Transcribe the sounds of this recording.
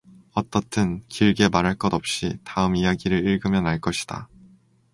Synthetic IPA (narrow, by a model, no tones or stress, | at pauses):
ʌt͈ʌt͈ʰɯnkiɭɡe̞maɾɦaɭk͈ʌdʌp̚ɕ͈itaɯmijaɡiɾɯɭiɭɡɯmjʌnɦaɭk͈ʌɕʰi̥d̥a̰